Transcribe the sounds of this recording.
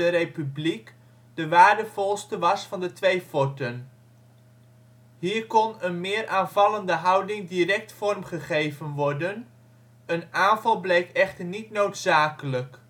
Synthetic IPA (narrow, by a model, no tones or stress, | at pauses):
ərejpyblik | dəʋaːɹdəv̥ɔlˠstəʋɑsfɑndətʋejfɔtən | ɦiːɹkɔnənmɪːɾʔaːnvɑləndəɦɑwdɪŋdirɛk̚tfɔrmχəχejvənʋɔɹdən | ənaːnvɑlˠblejkɛχtəɹnitnowtsaːkələk